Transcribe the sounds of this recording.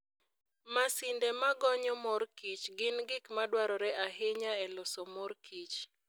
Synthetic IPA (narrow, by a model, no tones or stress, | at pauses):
masɪndɛmaɡɔɲɔmɔrkit͡ʃɡɪnɡɪkmadwaɾɔɾɛʔaɦɪɲaɛlɔsɔmɔrkʰit͡ʃ